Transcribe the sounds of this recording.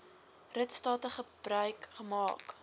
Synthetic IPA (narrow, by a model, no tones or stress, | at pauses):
rətstɑːtəχəb̥rœɥkχəmɑːk